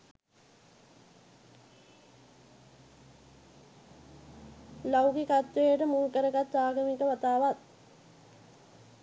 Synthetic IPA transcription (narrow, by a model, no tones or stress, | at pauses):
lawɡikat̪ːejəʈəmulkəɾəɡat̪ːaːɡəmikəʋat̪aːʋat̪̚